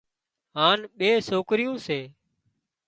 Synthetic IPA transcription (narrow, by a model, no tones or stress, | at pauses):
ɦaːnɓeːsoːkɾɪjũːseː